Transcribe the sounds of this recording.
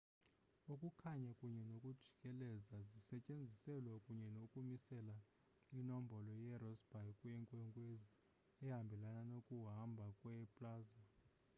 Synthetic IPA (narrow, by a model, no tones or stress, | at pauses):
ukʼukʰaɲakʼuɲɛnokʼud̥ʒ̥ʱi̥kʼɛlɛzazisɛcʼend͡zʱisɛlwakʼuɲɛnokʼumisɛla | inɔmbʱɔlɔjɛrɔsb̥ʱajkʼwjɛŋkʼwɛŋkʼwezi | ɛɦambʱɛlananokʼuɦambʱakʼwɛpʼlaːza